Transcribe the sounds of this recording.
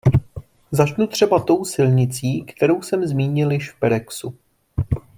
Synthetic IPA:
zat͡ʃnut̪r̝̥ɛbat̪o̞wsɪlɲɪt͡siːkt̪ɛɾo̞wsɛmzmiːɲɪljɪʃfpɛɾɛksu

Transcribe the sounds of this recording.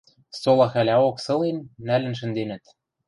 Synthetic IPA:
solˠɑxælʲæoksɤ̆lenːælɘ̆nʃ̬ɘ̆nd̪enɘ̆t̪

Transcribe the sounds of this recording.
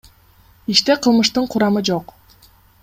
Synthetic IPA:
iʃt̪e̞qʰɯlˠmɯʃt̪ɯɴqʰʊɾɑmɯd͡ʒo̞q

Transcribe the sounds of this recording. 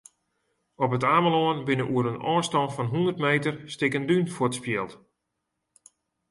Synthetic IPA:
ɔpətaːməloənbɪnəʔuəɾənɔːnstɔnfɔnɦundərtmeːtərstɪkəndynfoətspjɪlˠt

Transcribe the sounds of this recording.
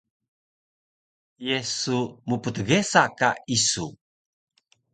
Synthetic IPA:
jesumupət̪əɡesakaisu

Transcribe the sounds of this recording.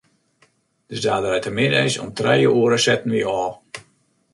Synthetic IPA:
d̥əsdaːdəɾɛtʰəmɪdɛjsɔ̰mtrɛjəʔuəɾəsɛtn̩ʋiɔː

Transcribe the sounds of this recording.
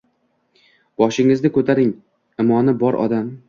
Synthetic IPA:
b̥ɒʃɪŋɪznɪkʰɵt̪ʰaɾɪŋ | ɪmɒnɪbɒɾʔɒ̰d̪am

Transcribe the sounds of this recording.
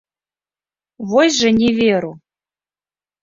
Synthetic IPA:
vojʒĕnʲevʲeɾu

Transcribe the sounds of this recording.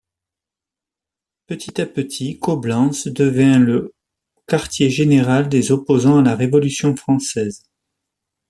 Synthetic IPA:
pət̪ʰit̪apət̪ʰikɔblɑ̃sd̪əvjɛ̃lə | kaʁt̪jeʒeneʁald̪ezɔpozɑ̃alaʁevɔlysjɔ̃fχɑ̃sɛz

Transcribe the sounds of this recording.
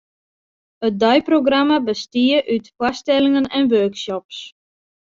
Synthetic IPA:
ət̚dœjproɡramabəstiəʔytfwastɛlɪŋənɛnʋøːksɔps

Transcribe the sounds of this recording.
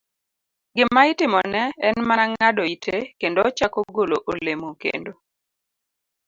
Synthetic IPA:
ɡɪmmːaɪtɪmɔnɛɛnmanaŋadɔitʰekendoɔt͡ʃakoɡoloʔolemokḛndo

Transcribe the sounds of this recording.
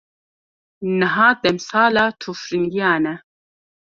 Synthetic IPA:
nəɦaːd̪̥ɛmsaːlaːt̪ʰufɾiŋɡijaːnɛ

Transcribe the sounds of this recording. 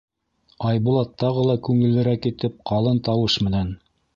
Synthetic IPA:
ɑjbulˠɑt̪ːɑʁɤlˠɑkʉŋɘ̆lːɘ̆ɾækit̪ɘp̚qɑlˠɤnt̪ɑwɤʃmɘ̆næn

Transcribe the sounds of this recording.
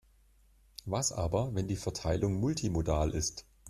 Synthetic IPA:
vasʔa̰ːbɐvɛndiːfɛɐtʰaɪlʊŋmʊltʰimodaːlʔɪst

